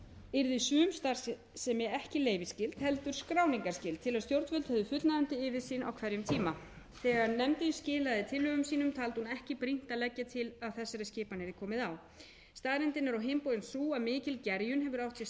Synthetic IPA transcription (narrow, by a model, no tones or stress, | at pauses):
ɪɾðɪsʏːmst̪aɾ̥s | sɛmɛɛhcɪleːjvɪscɪlt̪hɛlt̪ʏɾ̥skɾaːwniŋkaɾ̥scɪlt̪ʰɪlaðst̪jowɾt̪vœlt̪hɛvðʏfʏt̪naðʏnt̪ɪɪvɪsiːna̰wkʰvɛɾjʏmt̪ʰiːma | θɛːɣaɾnɛmt̪ɪscɪːlaðɪt̪ʰɪlːʏɣʏmsiːnʏmt̪ʰaːlt̪hunɛhcɪpɾin̥t̪alɛcːat̪ʰɪlaðθɛsːaɾɪscɪːpanɪɾɪkʰɔːmɪðaw | st̪aːðɾɛnt̪ɪnːaɾɔɦejmpowjɪnsuːamɪːcɪlcɛɾjʏnɦɛvʏɾawht̪sjɛs